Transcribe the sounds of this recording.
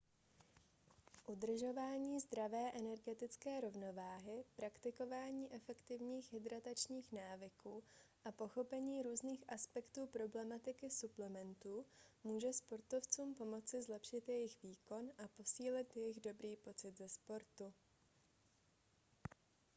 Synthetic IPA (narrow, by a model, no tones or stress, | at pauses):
ʔud̪r̩ʒo̞vaːɲiːzd̪ɾavɛːʔɛnɛɾɡɛt̪ɪt͡skɛːɾo̞vno̞vaːɦɪpɾakt̪ɪko̞vaːɲiːʔɛfɛkt̪ɪvɲiːxɦɪd̪ɾat̪at͡ʃɲiːxnaːvɪkuːʔapo̞xo̞pɛɲiːɾuːzniːxʔaspɛkt̪uːpɾo̞blɛmat̪ɪkɪsuplɛmɛnt̪uːmuːʒɛspo̞ɾt̪o̞ft͡suːmpo̞mo̞t͡sɪzlɛpʃɪt̪jɛjɪxviːko̞nʔapo̞siːlɪt̪jɛjɪɣdo̞bɾiːpo̞t͡sɪt̪zɛspo̞ɾt̪u